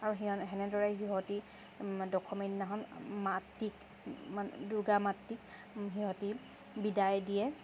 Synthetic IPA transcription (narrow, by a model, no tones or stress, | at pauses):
aɹuɦiɔnɦɛnɛdɔɹaɦiɦɔti | dɔkʰɔminnaɦɔnmatːik | manduɡamatːik̚ | ɦiɦɔti | bidajdijɛ